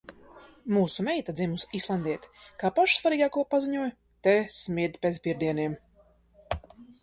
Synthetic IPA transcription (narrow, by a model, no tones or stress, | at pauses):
muːsumɛjt̪ad̪zimusislˠand̪ʲiɛt̪kaːpaʃsvaɾiːɡaːkuɔpaziɲuɔj | t̪esmʲiɾd̪ʲpet̪spiɾd̪iɛniɛm